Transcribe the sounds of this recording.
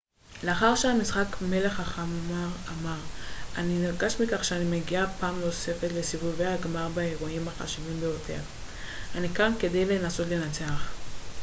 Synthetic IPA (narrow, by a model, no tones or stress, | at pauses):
leaχaʁʃeamisχakme̞le̞χaχammaʁamaʁaniniʁɡaʃmikaχʃeanimeɡiapaːmlose̞fetlesivuvejaɡmaʁbaeʁuimaχa̰ʃivimbejo̞tʰe̞̰ʁ | anikanke̞dejle̞naso̞tle̞nat͡seaχ